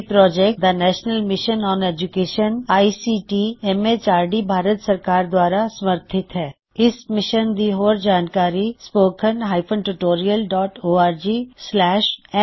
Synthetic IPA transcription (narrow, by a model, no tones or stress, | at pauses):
pɾɔːd͡ʒɛk̚d̪ɐnɛːʃnəlmɪʃənɔːneːd͡ʒʊkeːʃənaːisiːʈiɛmet͡ʃaːɾɖibʱaːɾət̪sɐɾkaːɾd̪waːɾasɐməɾt̪ʰɪt̪ɦɛː | ɪsmɪʃənd̪iɦoːɾd͡ʒaːnkaːɾispoːkʰənɦaːɪpʰə̃ɳʈuʈoːɾijəlɖɔːʈoːaːɾd͡ʒiːslɛːʃɛ